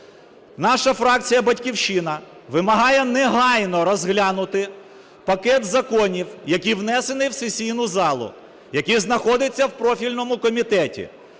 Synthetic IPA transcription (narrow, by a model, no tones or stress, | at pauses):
nɑʃɐfɾɑk̚t͡sʲijɐbɐtʲkʲiwʃɪnɐ | ʋɪmɐɦɑjɛnɛɦɑjnɔɾɔzɦlʲɑnʊt̪ɪ | pɐkɛt̪zɐkɔnʲiwjɐkʲiwnɛsenɪwsesʲijn̪ʊzɑlˠʊ̰ | jɐkiznɐxɔd̪ɪt͡sʲːɐwpɾɔfʲilʲnɔmʊkɔmʲit̪ɛtʲḭ